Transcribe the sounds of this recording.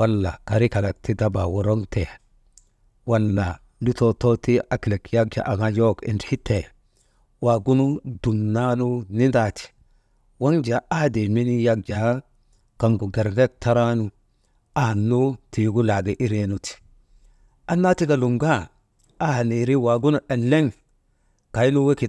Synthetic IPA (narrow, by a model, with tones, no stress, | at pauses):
wa˦lːa̰˨ka˨ɾi˦ka˨la˨ti˦da˦ba˨wo˨ɾo˦ŋte˨ | wa˦lːa˨ | ndu˦to˦to˦ti˦a˨kle˨kja˦ɡ̚d͡ʒa̰˨ʔa˨ɡa˦jo˦kḭ˨nthi˦te˨ | wa˨ɡu˦nu˦du˨nna˦nu˦ni˦nda˦˨ti̥˨ | wa˦ŋd͡ʒa˨a˦hde˨mi˦ni˦ja˦ɡ̚d͡ʒa˨˦ | ka˨ŋɡu˨ɡe˨ɾɡe˦k̚ta˦ɾa˦nu˨ | a˨ha˨nːu˦ti˨˦ɡu˦la˨ɡe˦ʔi˦ɾe˦nu˨ti̥˨ | ʔa˦nːa˦ti˦ɡa˨lu˨ŋɡa˦˨ | a˦ha˨ni˨ɾi˦wa˨ɡu˦nu˦ʔe˨nlːe˦ŋ | ka˨jnu˦we˦ki˨